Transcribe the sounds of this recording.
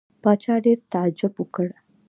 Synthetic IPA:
pat͡ɕaɽeɾt̪ad͡ʑəpukəɽa

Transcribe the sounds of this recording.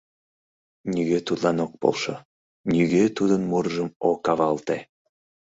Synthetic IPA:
nʲyɣet̪ut̪lɑnok̚po̰lʃo | nyɣet̪ud̪ənmurʒəmokɑβɑlt̪e

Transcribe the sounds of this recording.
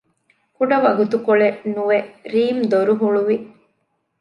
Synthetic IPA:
kuɖɐʋɐɡut̪ukoɭenuʋeɾiːmd̪oɾuɦuɭuʋi

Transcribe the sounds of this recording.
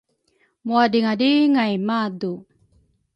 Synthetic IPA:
muadiŋadiŋajmadu

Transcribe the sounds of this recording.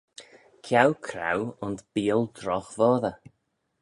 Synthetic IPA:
kʰjawkʰɾa̰wʊntb̥iːəlˠd̪ɾɔxvɔːðə

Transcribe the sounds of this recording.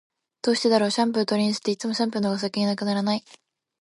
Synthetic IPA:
d̪̥oːɕi̥t̪e̞d̪aɾo̞ːɕãmp̬ɯ̟ɾɯt̪o̞ɾʲĩs̬ɨ̥t̪ːe̞it͡sɨmo̞ɕãmpɯɾɯnoɡas̬akʲeɲ̟inakɯ̟naɾanai

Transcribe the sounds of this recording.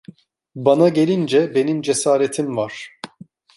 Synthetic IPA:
banaɟelʲind͡ʒɛbe̞nimd͡ʒesaːɾet̪ʰimvaɾ̥

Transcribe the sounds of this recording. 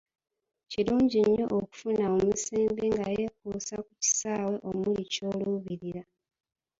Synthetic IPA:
ciɾuːɲɟiɲːo̞ʔoku̥funaomusiːmbiŋɡaje̞kusakuci̥saːwe̞ʔo̞mulico̞luβiɾiɾa

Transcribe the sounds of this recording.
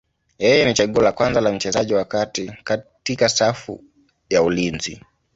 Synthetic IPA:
jɛjɛnit͡ʃaɠuɔlakwanzalam̩t͡ʃɛzaʄiwakatikatikasafṵ | jaulinzḭ

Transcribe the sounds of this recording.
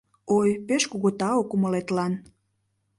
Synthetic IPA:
ojpeʃkuɣot̪ɑokuməlet̪lɑn

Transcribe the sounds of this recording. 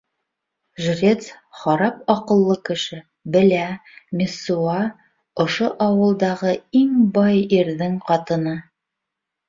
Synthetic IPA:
ʒrʲet̪sχɑɾɑp̚ɒqɤ̆lˠːɤkɘ̆ʃɘ | bɘ̆læmʲɪsːuɑ | ŏʃoʔɑwɤ̆lˠd̪ɑʁɤiŋbɑjiɾðɘŋqɑt̪ɤ̆nɤ

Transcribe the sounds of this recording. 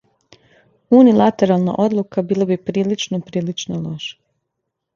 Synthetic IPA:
unilˠat̪e̞ɾalˠna̰ʔo̞d̪lˠukabiːlˠabipɾiːlit͡ʃnopɾiːlit͡ʃnoloʃḁ

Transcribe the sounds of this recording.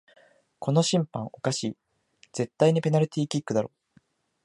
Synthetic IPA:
kʰo̞no̞ɕĩmpãŋ̃o̞kaɕiː | d͡z̥e̞t̪ːaiɲ̟ipe̞naɾɯt̪ʲiːkʲikːɯ̟d̪aɾo̞ː

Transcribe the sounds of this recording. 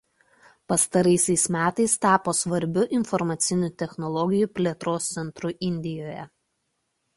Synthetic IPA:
pɐst̪ɐɾɐɪsʲɛɪsmʲæːt̪ɐɪst̪ɑːpoːsʋɐɾʲbʲʊʔɪnfɔɾmɐt̪sʲɪnʲʊt̪ʲɛxnɔlˠɔɡʲɪjuːpʲlʲeːt̪ɾoːst̪sʲɛnt̪ɾʊʔɪnʲd̪ʲɪjoːjɛ

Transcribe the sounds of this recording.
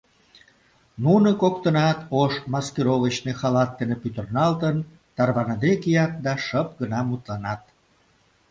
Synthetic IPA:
nunəkokt̪ənɑt̪oʃmɑskiɾovət͡ɕnexɑlɑt̪ːenepyt̪ərnɑlt̪ən | t̪ɑrβɑnɑd̪ekijɑt̪̚d̪ɑʃəpɡənɑmut̪lɑnɑt̪

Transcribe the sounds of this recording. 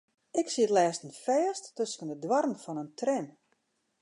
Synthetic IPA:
ɪksiətlɛːstənfɛːstːøskənədwɔrənfɔnəntrɛm

